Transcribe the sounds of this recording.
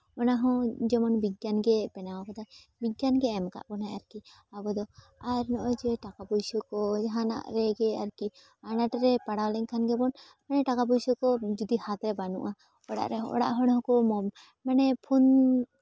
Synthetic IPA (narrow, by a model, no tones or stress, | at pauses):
mɔnaɦɔ̃d͡ʒɛmɔnbiɡjanɡɛpɛnawakɔd̪aj | bijanɡɛːmka̰ʔpɔnajaɾki | abɔd̪ɔ | aɾnɔʔɔd͡ʒɛʈakabɔjsɔkɔd͡ʒɦana̰ʔɾɛɡɛaɾki | anaʈɾɛpaɽawlɛŋkʰanɡɛbɔn | manɛʈakabɔjsɔkɔd͡ʒud̪ihat̪ɾɛbanṵʔa | ɔɽa̰ʔɾɛɔ̰ɽa̰ʔɦɔɽaɦɔ̃kɔmɔm | manɛpʰun